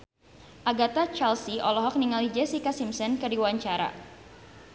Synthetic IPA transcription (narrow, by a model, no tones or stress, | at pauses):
ʔaɡat̪at͡ʃalsiʔɔlɔɦɔk̚niŋalid͡ʒɛsikasimsɔnkərdiwaɲt͡ʃaɾa̰